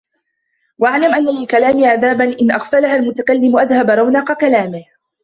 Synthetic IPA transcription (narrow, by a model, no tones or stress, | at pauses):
waʔaʕlamʔanːalɪlkalaːmɪʕaðaːbanʔɪnʔaxfalahalmʊt̪akalːɪmʔaðhabɾˤɑwnɑːqɑkalaːmɪh